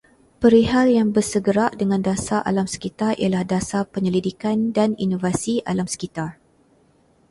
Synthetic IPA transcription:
pəɾiɦaljaŋbərsəɡəɾaʔdəŋãndasaʔa̰lamsə̥kit̪arḭalahdasapəɲəlidikandanḭnovasiʔalamsə̥kit̪ar

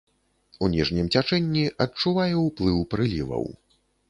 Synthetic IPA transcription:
unʲiʐnʲimt͡sʲat͡ʂɛnʲːiʔɐt͡ʂuvajɛwplˠɨwpɾɨlʲivɐ̰w

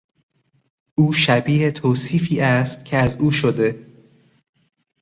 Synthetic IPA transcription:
ʔuːʃæbiːhet̪ʰoːsiːfiːæst̪̚cʲʰeæzuːʃod̪e̞

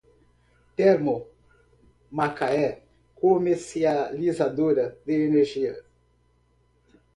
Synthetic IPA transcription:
t̪eɾmʊ | makaɛ | komeɾsializad̪oɾɐd̪ɪeneɾʒiɐ

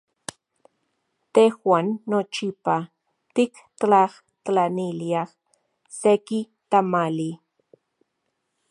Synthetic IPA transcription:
t̪exwanːot͡ʃipa | t̪ik | t̪laχ | t̪laniliaχ | seki | t̪amali

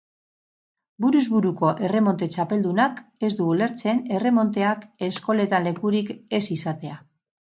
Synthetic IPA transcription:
buɾuzβuɾuko̞ʔe̞re̞mo̞nt̪e̞t͡ʃape̞ld̪unake̞zd̪uule̞ɾt͡se̞ne̞re̞mo̞nt̪e̞ake̞sko̞le̞t̪anle̞kuɾike̞sisat̪e̞a

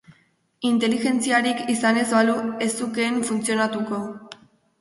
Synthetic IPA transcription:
int̪e̞lixe̞nt͡siaɾikisane̞zβalue̞suke̞ɱfunt͡sio̞nat̪uko̞

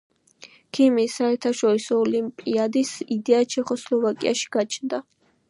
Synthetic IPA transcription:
kʰimisaɛɾt̪ʰaʃɔɾisɔːlimpʼiad̪isid̪ɛat͡ʃʰɛχɔslˠɔvakʼḭa̰ʃi̥ɡ̥at͡ʃʰnd̪a

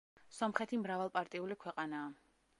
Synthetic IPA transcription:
sɔmχɛt̪ʰimɾavalˠpʼaɾt̪ʼiulikʰwɛqʼanaː

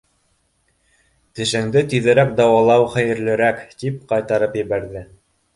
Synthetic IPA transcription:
t̪ɘ̆ʃɘ̆ŋd̪ɘt̪yðɘ̆ɾæk̚d̪ɑwɑlˠɑwχæjɘ̆ɾlɘ̆ɾækt̪ip̚qɑjt̪ɑɾɤpjɘ̆βæɾðɘ

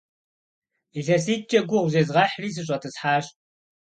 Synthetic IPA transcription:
iɮɐsiːt͡ʃʼɐɡʷʊʁʷʊʑeːzʁɑħriːs̬ɨɕ̬ʼɐtʰɨsħaːɕ

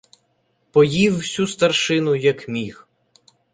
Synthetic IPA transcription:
pɔjiwːsʲust̪ɐrʃɪnʊjɐkmʲix

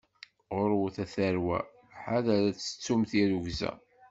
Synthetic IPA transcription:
ʁoɾwuθæθæɾwæ̰ | ħaðæɾæt͡sːə̥t͡sːumθiɾuʝzæ̰

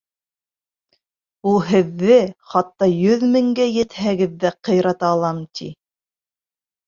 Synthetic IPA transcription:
ulˠɦɘ̆ðːɘχɑt̪ːɑjɵðmɘ̆ŋɡæjɘ̆t̪hæɡɘðːæqɤ̆jɾɑt̪ɑːlˠɑmt̪ʰḭ

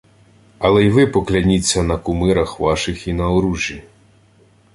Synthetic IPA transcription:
ɐlˠɛjiʋɪpɔklʲanʲit͡sʲːɐnɐkumɪɾɐxʋaʃɪxinɐɔɾuʒʲji

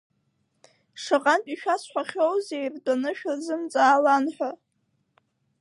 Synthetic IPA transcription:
ʂaqʼantʼiʃᶣasħʷaχʲowzejrdanɨʃᶣazɨmt͡sʼaːlanħʷᶣa

